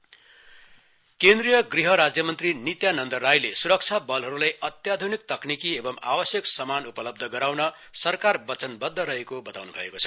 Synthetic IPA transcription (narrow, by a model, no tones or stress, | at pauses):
kend̪rijʌɡriɦʌɾad͡zjʌmʌnt̪rinit̪janʌnd̪ʌrːajlesuɾʌk̚t͡sʰabʌlɦʌɾulajʔʌt̪jad̪ʱunik̚t̪ʌknikiebʌma̰wʌsjʌksʌmanupʌlʌb̚d̪ʱʌɡʌɾawnʌ | sʌrkarbʌt͡sʌnbʌd̪ʱːʌɾʌɦekobʌt̪awnubʱʌ̰ḛkot͡sʰʌ̥